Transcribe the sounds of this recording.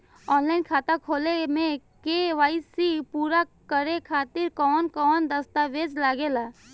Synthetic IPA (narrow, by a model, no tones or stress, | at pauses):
ɔːnlaːɪnkʰaːt̪akʰoːlemẽkeʋaːɪsipuːɾakəɾekʰaːt̪ɪɾkɔːnkɔːnd̪əst̪aʋeːd͡ʒlaːɡelaː